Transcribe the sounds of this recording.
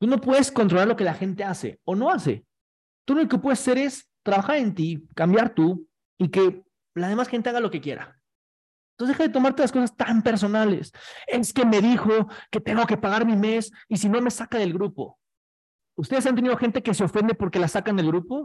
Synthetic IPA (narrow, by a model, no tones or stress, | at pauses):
t̪uno̞pwe̞ðe̞sko̞nt̪ɾolaɾlo̞ke̞laxe̞nt̪e̞ase̞̰o̞no̞ase̞̰ | t̪unoloke̞pwe̞ðesase̞ɾe̞s | t̪ɾaβaxaɾe̞nt̪ikambjaɾt̪u | ike̞ | laðe̞masxe̞nt̪e̞aɣalo̞ke̞kje̞̰ɾa̰ | noze̞xaðet̪o̞maɾt̪e̞laskosast̪ampe̞ɾs̬o̞nale̞̰se̞ske̞me̞ðixo̞ke̞t̪e̞ŋɡo̞ke̞paɣaɾmĩme̞sisino̞me̞sakaðe̞lɣɾupo̞̰ | ust̪e̞ðesant̪eniðoxe̞nt̪e̞keseo̞fe̞nd̪e̞po̞ɾke̞lasakand̪elɣɾupo̞